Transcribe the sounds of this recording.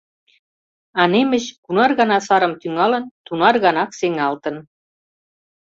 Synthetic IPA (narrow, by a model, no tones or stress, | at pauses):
ɑnemə̆ɕkunɑrɣɑnɑsɑɾəmt̪yŋɑlə̆nt̪unɑrɣɑnɑkseŋɑlt̪ə̆n